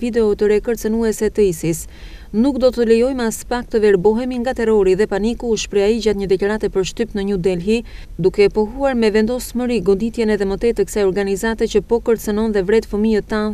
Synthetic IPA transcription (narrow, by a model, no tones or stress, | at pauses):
vid̪ɛɔt̪əɾɛkəɾt͡sənuɛsɛt̪əisis | nukd̪ɔt̪əlɛjɔjmɛaspak̚t̪əvɛɾbɔɦɛmiŋɡat̪ɛrɔɾiðɛpanikuːʃpɾɛaid͡ʑat̪ɲəd̪ɛklaɾat̪ɛpəɾʃt̪ypnəɲəd̪ɛlɦi | d̪ukɛpɔɦuaɾmɛvɛnd̪ɔsməɾiɡɔnd̪it̪jɛnɛðɛmət̪ɛt̪əksajɔɾɡanizat̪ɛt͡ɕəpɔkəɾt͡sənɔnðɛvɾɛt̪fəmiət̪ːan